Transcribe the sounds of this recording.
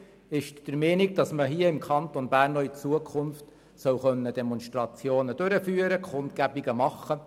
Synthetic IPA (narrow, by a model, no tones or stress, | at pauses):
ɪʃd̥əɾmɛːniɡ̚d̥ɑsməɦiəɪmkʰɑnt̪onb̥æːrnɔit͡suəkʰʊnft | sœwχœnːəd̥emɔnʃtrɑt͡sjoːnəd̥øɾəfyːəɾəkχʊntɡæbiɡəmɑχːə